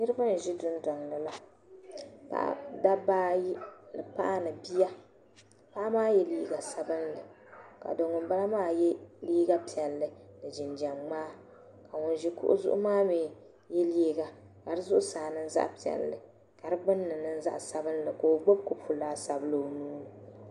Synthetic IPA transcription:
nɨ˦ɾɨ˦ba˦n˨ʒɪ˦dʊ˦n˦dɔ˨ŋnɨ˨la˦ | ka̰˨da˦baː˦ji˦lɨ˨pa̰˦ʔa˦nɨ˨bi˦ja˦ | pa˦ʔa˦maː˦jɛ˦liː˦ɡa˨sa˦bɨ˦nlɨ˨ | ka̰˨do˨ŋʊ˨mba˦la˦maː˦jɛ˦liː˦ɡa˦pi˨ɛ˨lːɨ˨nɨ˨d͡ʒɪ˨nd͡ʒa˨mŋ͡maː˦ | ka˨ŋʊ˨nʒi˦kʊ̰˦ʔʊ̰˦zʊ̰˦ʔʊ̰˦maː˦meː˨ | jɛ˦liː˦ɡa˨ | ka˨ɾɨ˦zʊ˦ʔʊ˦saː˨nɨ˦n˦za̰˦ʔpi˨ɛ̰˨lːɨ˨ | ka˨ɾɨ˦ɡ͡bɨ˦nːɨ˨nɨ˦n̩˦za̰˦ʔsa˦bɨ˦nlɨ˨ko˨o˨ɡ͡bo˦b̚kʊ˦pʰu˨laː˦sa˨blɨ˨o˨nuː˦ɾ

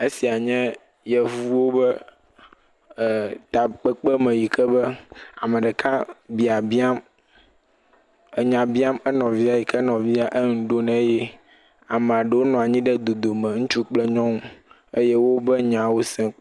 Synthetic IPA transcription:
e˦si˨a˨ɲɛ̃˦ | jɛ˨vuu˦wo˦bɛ˦˨ | t̪a˨k͡pə˦k͡pɛ˦mɛ̃˨ji˨kɛ˦bɛ˦a˨mɛ̃˨ɖɛ˨kʰã˦bi˨a˨bi˦a˦m | ə˦ɲã˨bi˦a˦mɛ˦nɔ̃˨vi˦a˨ji˨kʰɛ˦nɔ̃˨vi˦a˦ʔe˦ŋũ˨ɖo˦nɛ̃˦jɛ˦ | a˨mɛ̃˨a˨ɖə˨wo˦nɔ̃˨a˨ɲĩ˦ɖɛ˦d̪o˨d̪o˨mɛ̃˨ŋũ˦t͡ʃu˦k͡plɛ˦ɲɔ̃˦ŋũ˦ | e˦jɛ˦wo˦bɛ˦ɲã˨wo˦sɛ̃˦

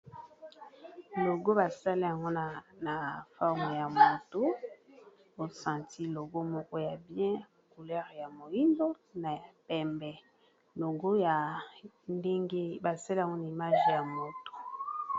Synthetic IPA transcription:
lo˨ɡo˦ba˨sa˦li˦ja˨ŋɡo˦n˨na˨fɔ˦ʁm˨ja˨mo˨to˦ | o˨sã˨ti˦lo˨ɡo˦mɔ˦kɔ˦ja˨bjɛ̃˦˨ | ku˨lɛ˦ʁja˨mo˨ji˦ndo˦ | na˨pɛ˨mbɛ˨ | lo˨ɡo˦ja˨ | nde˦ŋɡe˦ba˨sa˦li˦ja˨ŋɡo˦na˨i˨ma˦ʒja˨mo˨to̥˨

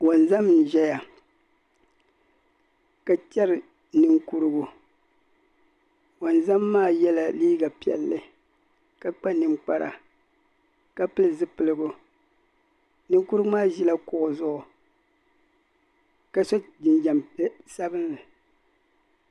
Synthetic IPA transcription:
wo˨nza˦m˦n̩˨ʒɛ˦ja˨ | ka˨t͡ʃɛ˦ɾɨ˨ | nɨ˦ŋku˦ɾɨ˦ɡʊ˦ | wo˨nza˦mːaː˦˨jɛ˦la˨liː˦ɡa˨pi˨ɛ̰˨lːɨ˨ | ka˨k͡pa˦nɨ˨mk͡pa˨ɾa̰˨ | ka˨pɨ˦lɨ˨zɨ˦pɨ˨lɨ˦ɡʊ˦ | nɨ˦ŋku˦ɾɨ˦ɡʊ˦maː˦ʒi˦la˦kʊ˨ʔʊ˨zʊ˦ʔʊ˨ | ka˨so˦d͡ʒɪ˨nd͡ʒa˨mpsa˦bɨ˦nlɨ˨

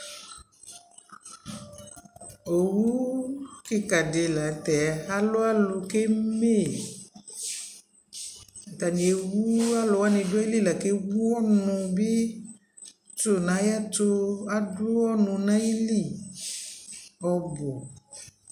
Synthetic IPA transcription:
o˨wu˦ke˨ka˨de˨la˨t̪ɛ˨a˦lo˦a˦lo˨ke˦me˦˨ | t̪a˨ɲ˨e˨wu˦a˦lo˨wa˦nĩ˨dʊ˦i˦li˦la˨ke˦wu˦ɔ˦nũ˧be˦ | to˨nã˨˦ja˦to˦a˦dʊ˦wɔ˦nũ˧nã˦ji˦li˦˨ | ɔ˨bɔ˨

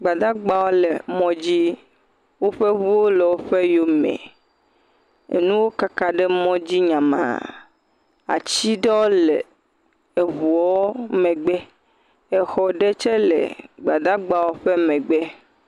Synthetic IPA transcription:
ɡ͡ba˨d̪a˦ɡ͡ba˦wo˦le˨mɔ̃˦d͡ʑi˦ | wo˦ɸe˦βu˦wo˦le˨wo˦ɸe˦jo˦mḛ̃˨ | ḛ˨nũ˦wo˦ka˦ka˨ɖe˦mɔ̃˦d͡ʑi˦ɲã˨mã̰˨ | a̰˨t͡ɕi˦ɖe˦wo˦le˨ | e˨βu˨ɔ˦mɛ̃˨ɡ͡bɛ˦ | e˨xɔ˨ɖe˦t͡ʃe˦lḛ˨ɡ͡ba˨d̪a˦ɡ͡ba˦˨wo˦ɸe˦mɛ̃˨ɡ͡be˦

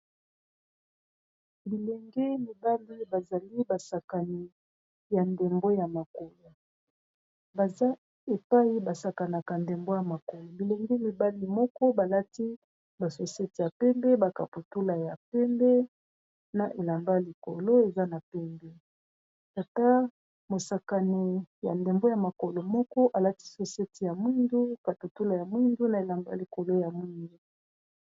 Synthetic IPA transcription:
bi˨lɛ˨ŋɡe˦mi˨ba˦li˦ba˨za˨li˦ba˨sa˨ka˨ni˨ | ja˨nde˨mɡo˦ja˨ma˨ko˨ja˨ | ba˨za˦ | e˨pa˦i˦ba˨sa˨ka˨na˨ka˨nde˨mbo˦ja˨ma˨ko˨ja˨bi˨lɛ˨ŋɡɛ˦mi˨ba˦li˦mɔ˦kɔ˦ba˨la˦ti˦ | ba˨so˨se˦ti˨ja˨pɛ˦mbɛ˦ba˨ka˨pu˨tu˦la˨ja˨pɛ˦mbɛ˦ | na˨ʔe˨la˨mba˦li˨ko˨lo˦e˨za˦na˨pɛ˦mbɛ˦ | ta˨ta˦ | mo˨sa˨ka˨ni˨ja̰˨nde˨mbo˦ja˨ma˨ko˨lo˨mɔ˦kɔ˦ʔa˨la˦ti̥˦so˨se˦ti˨ja˨mwi˦ndu˦ka˨tu˨tu˦la˨ja˨mwi˦ndu˦na˨e˨la˨mba˦li˨ko˨lo˦ja˨mwi˦ndu˦

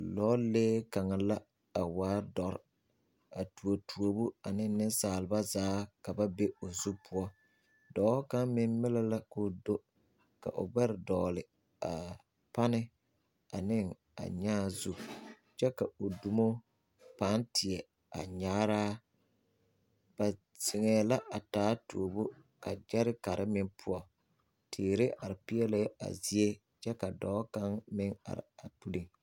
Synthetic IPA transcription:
lɔː˦leː˦ka˨ŋa˨la˦ | a˨waː˨˦dɔ˨ɾ | a˨tu˨o˨tʰu˨o˨bu˦a˨nɪ˦nɪ˦nsaː˨lɪ˨ba˦zaː˨˦ka˨ba˦be˦o˨zu˦pʰʊ˦ɔ˦ | dɔː˨˦hka˦mmːɪ˦n˦mɪ˦la˦la˦ko˦˨do˦ | ka̰˨ʔʊ̰˨ɡ͡bɛ˦ɾɪ˨dɔː˨lɪ˨ | a˨ | pa˦nɪ˦ | a˨nɪ˦ŋ | a̰˨ɲaː˦zu˦ | t͡ʃɛ˦ka˨o˨du˨mo˦ | pa˨˦ntʰɪ˨ɛ˨ | a̰˨ɲaː˦ɾaː˦ | b̥a˨ | sɪ˨ŋɛː˨˦la˦ʔa˨taː˨˦toː˨bo˦ | ka˨d͡ʒɛ˦ɾɪ˦ka˨ɾʔɪ˦mɪ˦ŋpʰʊ˦ɔ˨ | tʰiː˨ɾɪ˦ʔa˨ɾɪ˨pi˦ɛ˦le˦a̰˨zi˦e˦ | t͡ʃɛ˦ka˨dɔː˦ka˦ŋmɪ˦ŋa̰˨ɾɪ̰˨a˨pu˦li˨ŋ

